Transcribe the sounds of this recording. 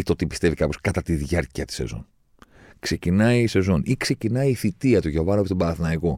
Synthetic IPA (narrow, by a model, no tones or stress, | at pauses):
it̪ot̪ipist̪e̞vikɐpo̞skɐt̪ɐt̪iðʝɐɾciɐt̪i̥se̞̰zo̞̰n | kse̞cinɐise̞zo̞nikse̞cinɐiːθit̪iɐt̪uʝovɐnopot̪bɐθnɐiko̞